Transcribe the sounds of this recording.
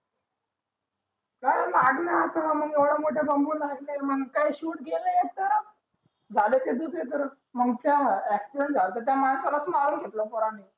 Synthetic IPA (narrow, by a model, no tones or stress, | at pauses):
kaɽəlaɡnaːt̪aməɡeʋɽamoʈʰabəmbuːnlaɡneməɡkaiɕuːʈ̚ɡelajet̪əɾ | d͡zʱaleted̪uket̪̬əɾ | məɡt̪jaekspeɳd͡zaɾt̪əɾt̪jamaɳsaɾəsmaɾunɡʱet̪ləpɔɾani